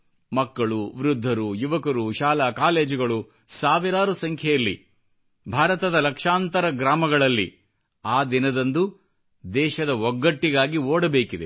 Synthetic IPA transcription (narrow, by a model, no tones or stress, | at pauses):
mɐkːɐɭuʋɾud̪ʱːɐɾujuʋɐkɐɾuʃaːlaːkaːleːd͡ʒɡɐɭu | saːʋiɾaːɾusɐŋkʰjɛjɐlːḭ | bʱaːɾɐt̪ɐd̪ɐlɐkʂaːnt̪ɐɾɐɡɾaːmɐɡɐɭɐlːḭ | aːd̪inɐd̪ɐnd̪u | d̪ɛːʃɐd̪ɐɔɡːɐʈːiɡaːɡioːɽɐbeːkid̪e